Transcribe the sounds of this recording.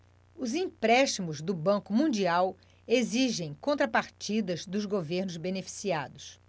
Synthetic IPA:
ʊzĩpɾɛʃt͡ʃimʊzd̪ʊbɐ̃kʊmũd͡ʒiaw | eziʒẽj̃kõnt̪ɾɐpaɾt͡ʃid̪ɐzd̪ʊzɡoveɾnʊzbenefi̥siad̪ʊs

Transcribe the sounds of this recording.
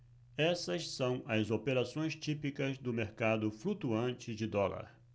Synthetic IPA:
ɛsɐsːɐ̃w̃ɐzopeɾasõj̃st͡ʃipikɐzd̪ʊmeɾkad̪ʊflut̪uɐ̃nt͡ʃɪd͡ʒɪd̪ɔlɐ̰ɾ

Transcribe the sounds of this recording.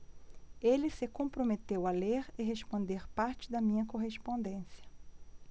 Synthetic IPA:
elɪsɪkõmpɾomet̪ewɐleɾɪɦespõnd̪eɾpaɾt͡ʃɪd̪ɐmĩɲɐkoɦespõnd̪ẽsjɐ̥

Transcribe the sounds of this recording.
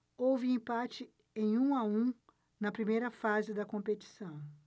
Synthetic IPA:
owvɪẽpat͡ʃɪ | ẽj̃ũaũ | nɐpɾimejɾɐfazɪd̪ɐkõpet͡ʃi̥sɐ̃w̃

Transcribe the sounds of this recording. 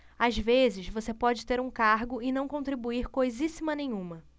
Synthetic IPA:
azvezɪʃzvosepɔd͡ʒɪt̪eɾũkaɾɡʊɪnɐ̃w̃kõnt̪ɾibuiɾkojzisimɐnẽjɲ̃ũmɐ

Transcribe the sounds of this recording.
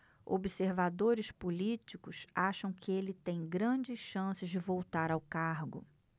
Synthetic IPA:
o̰biseɾvad̪oɾɪspulit͡ʃikʊsaʃɐ̃w̃kʰɪelɪt̪ẽj̃ɡɾɐ̃d͡ʒɪsʃɐ̃sɪzd͡ʒɪvowt̪aɾawkaɾɡʊ̰

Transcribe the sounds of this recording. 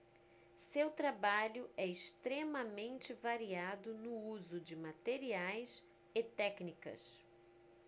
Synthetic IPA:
sewt̪ɾabaʎʊʔɛɪʃt̪ɾemɐmẽnt͡ʃɪvaɾiad̪ʊnʊuzʊd͡ʒɪmat̪eɾiajs | ɪt̪ɛknikɐ̰s

